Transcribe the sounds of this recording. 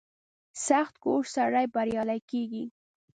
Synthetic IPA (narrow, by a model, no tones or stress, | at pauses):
saxt̪̚ɡoʂsaɾajbaɾjɑlajkeɡi